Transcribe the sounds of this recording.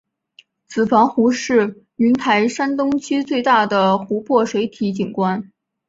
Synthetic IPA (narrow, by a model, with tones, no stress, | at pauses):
t͡sɹ̩˨˩fɑ˧˥ŋxu˧˥ʂɻ̩˥˩ | y˧˥nt̪ʰa˧˥ɪʂa˥nt̪ʊ˥ŋt͡ɕʰy˥t͡swe˥˧ɪt̪a˥˩d̪ə˩xu˧˥pʰwɔ˥˩ʂwe˧˥ɪt̪ʰi˧˥t͡ɕi˨˩nkwa˥n